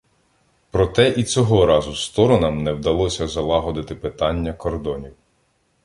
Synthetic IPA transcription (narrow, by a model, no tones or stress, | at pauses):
pɾɔt̪ɛʔit͡sʲɔɦɔɾɑzʊst̪ɔɾɔnɐmnɛwd̪ɐlˠɔsʲɐzɐlˠɑɦɔd̪ɪt̪ɪpɪt̪ɑnʲːɐkɔrd̪ɔnʲiw